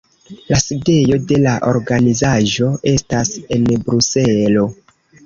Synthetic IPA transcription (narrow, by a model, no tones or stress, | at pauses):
laside̞jo̞de̞laʔo̞ɾɡanizaʒo̞e̞stase̞nbɾuselo̞